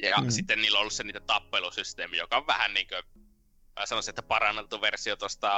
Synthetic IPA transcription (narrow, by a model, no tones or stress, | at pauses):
jɑ̰ssit̪ːenniːlːoolːusseniːt̪ːæt̪ɑpːelusyst̪eːmijo̰kɑoʋʋæhænniːŋkø | sɑnosiet̪ːæpɑrɑnːelt̪ːuʋersiot̪ost̪ɑ